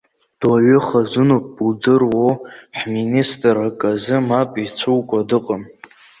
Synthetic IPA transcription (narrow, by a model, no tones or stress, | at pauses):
d̥waɥʏχazɨnopʼbuldɨrwoħministʼrakʼazɨmapʼit͡sʷʰuwkʷʼadɨqʼəm